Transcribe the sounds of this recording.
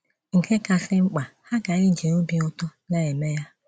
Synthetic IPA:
ŋ̩˨ke˦ka˨sɪ˦ŋ͡m̩˦k͡pa˨ha˦ɡa˨ɪ˦˨d͡ʒi˨no˦bi˦ʊ˦tɔ˦na˨e˨me˦ja˦

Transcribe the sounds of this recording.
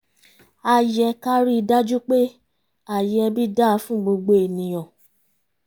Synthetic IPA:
a˧jɛ˧ka˦ɾi˦˧da˦d͡ʒu˦k͡pe˦ | a˦˨jɛ˧bi˦da˦˧˦fũ˦ɡ͡bo˧ɡ͡bo˧e˨nĩ˨j̃ɔ̃˨

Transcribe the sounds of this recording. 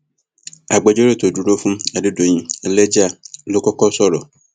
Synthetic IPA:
a˨ɡ͡be˨d͡ʒo˦ɾe˦˨t̪o˨du˦ɖo˦fũ˦ma˨dɪ˦do˨ɲĩ˦˨le˦d͡ʒa˦˨lo˦kɔ˦kɔ˦sɔ˦ɾɔ˨

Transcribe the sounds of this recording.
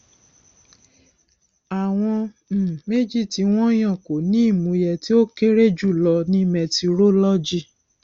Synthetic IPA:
a˨w̃ɔ̃˧˨ | me˦d͡ʒi˦˨ti˧w̃ɔ̃˦j̃ã˦˨ko˨nĩ˦i˦˨mũ˨˦jɛ˦˨ti˦o˦ke˦ɾe˦d͡ʒu˦˨lɔ˧nĩ˦mɛ˨ti˧ɾo˦lɔ˦d͡ʒi˦˨

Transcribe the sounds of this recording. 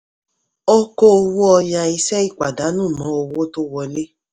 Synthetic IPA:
o˦ko˦o˧wo˦ɔ˧ja˧i˧sɛ˦i˦˨k͡pa˨da˨˦nũ˦˨nɔ̃˨˦o˧wo˦to˦wɔ˧le˦

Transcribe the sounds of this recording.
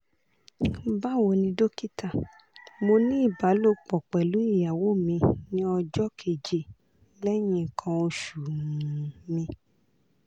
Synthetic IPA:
ba˦˨wo˧nĩ˧do˦ki˦ta˦˨ | mo˧nĩ˦i˦˨ba˨˦lo˦k͡pɔ˨k͡pɛ˨lu˨˦i˦˨ja˨wo˦˨mĩ˧nĩ˦ɔ˧d͡ʒɔ˦kʰe˨d͡ʒe˨ | lɛ˦j̃ĩ˧˨kʰã˧o˧ʃu˨ | mĩ˧

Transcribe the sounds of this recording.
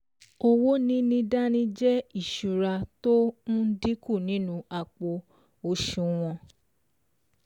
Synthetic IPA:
o˧wo˦nĩ˦nĩ˦da˦nĩ˦d͡ʒɛ˦i˦˨ʃu˨ɾa˧to˦ñ̩˦di˦ku˦˨nĩ˨˦nũ˦a˨k͡po˧ | o˧ʃũ˧w̃ɔ̃˧

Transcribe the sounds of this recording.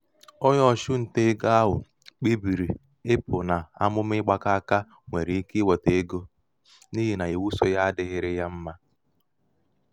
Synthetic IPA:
ɔ˦ɲɔ˦˨ʃʊ˦n̩˨te˦ɡa˦a˦ɦʊ˨ | k͡pi˦bi˨ɾi˨ | ɪ˦pʊ˨na˨a̰˦mʊ˦m˦ɪ˦ɡ͡ba˦ka˦a˦ka˦ | ŋʷe˨ɾe˨i˦ki˦wɔ˨te˨e˦ɡo˦ | ni˦ɦi˨na˨e˨wu˦so˦ja˦a˦dɪ˨ɣɪ˦ɾɪ˦ja˦m̩˦ma˦

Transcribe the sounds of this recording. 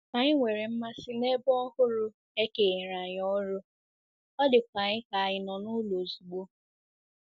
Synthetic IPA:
a˨ɲɪ˦ŋʷe˨ɾe˨m̩˦ma˦sɪ˦ne˦bɔ˦ɔ˦hʊ˦ɾʊ˦ | e˦ke˨ɾa˨ɲɔ˦ɾʊ˦ | ɔ˦dɪ˨kʷa˨ɲɪ˦ka˨a˨ɲɪ˨nɔ˨nʊ˦lo˨zu˨ɡ͡bo˦

